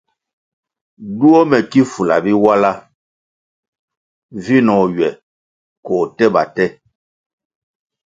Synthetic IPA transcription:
du˦ɔ˦mɛ˨ki˦fu˨la̰˨bi˦wa˦la˦ | vi˦nɔ˨ɥɛ˨ | kɔː˨tɛ˦ba˨tɛ˦

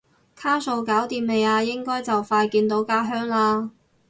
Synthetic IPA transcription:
kʰaː˥so˨˧wkaː˨˥wt̪iː˧mle˨jaː˧jɪ˥ŋkɔː˥jt͡sɐ˨wfaː˧jkiː˧nt̪̬o˨˥wkaː˥ɦœː˥ŋlaː˧

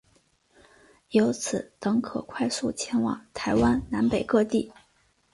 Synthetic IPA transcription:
jo˧˥ʊt͡sʰɹ̩˨˩t̪ɤ˧˥ŋkʰɤ̰˨˩kʰwa˥˧ɪsu˥˩t͡ɕʰjɛ˧˥nwɑ̰˨˩˦ŋt̪ʰa˧˥ɪwa˥nna˧˥npe˨˩ɪkɤ˥˧t̪i˥˩

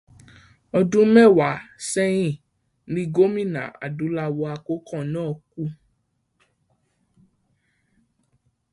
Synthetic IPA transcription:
ɔ˧dũ˦mɛ˦˨wa˨˦sɛ˦j̃ĩ˦˨ | nĩ˦ɡo˦mĩ˦˨nã̰˨a̰˨dũ˨˦la˧wɔ˧a˧ko˦kɔ̃˦˨nãː˦ɔ˨ku˦

